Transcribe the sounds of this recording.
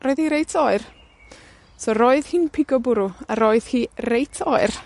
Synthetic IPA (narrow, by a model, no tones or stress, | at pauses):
roɨðiɾejtʰɔɨr | soɾoːɨðhɪnpʰɪɡɔbʊɾʊaɾoːɨð̥hiːrejtʰɔɨr